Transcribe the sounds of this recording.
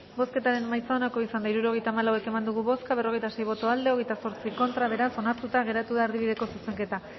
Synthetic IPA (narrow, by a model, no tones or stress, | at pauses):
bo̞ske̞t̪aɾe̞nmajsaonako̞isand̪aiɾuɾo̞ɣe̞jt̪aːmalawe̞ke̞mand̪uɣ̞uβo̞skaβe̞ro̞ɣe̞jt̪ase̞jβo̞t̪o̞ald̪e̞oɣe̞jt̪aso̞ɾt͡siko̞nt̪ɾaβ̞e̞ɾaso̞naɾt̪ut̪aɣe̞ɾat̪uðaːɾðiβiðe̞ko̞suse̞ŋke̞t̪a